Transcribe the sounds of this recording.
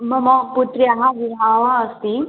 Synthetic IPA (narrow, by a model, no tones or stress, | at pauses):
mɐmɔput̪ɾiaɦãʋiɦaːʋaəst̪i